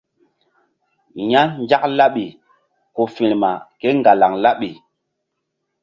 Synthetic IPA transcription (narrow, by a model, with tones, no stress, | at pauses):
ɲa˦nd͡ʒa˦k̚la˦ɓi˨ | ko˨fi˨ɾma̰˨ke˦ŋɡa˨la˨ŋla˦ɓi˨